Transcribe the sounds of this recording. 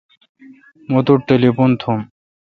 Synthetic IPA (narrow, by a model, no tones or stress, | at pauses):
mot̪uʈːelipont̪ʰom